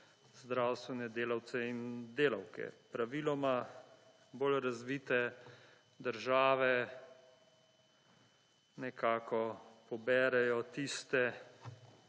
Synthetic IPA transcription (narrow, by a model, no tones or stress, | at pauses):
zd̪ɾawst̪ʋɛnɛd̪eːlawt̪sɛind̪eːla̰wkɛ̰pɾaʋiːlɔma | bolɾazʋiːt̪ɛ | d̪əɾʒaːʋɛ | nɛkaːkɔpɔbɛːɾɛjɔt̪ist̪ɛ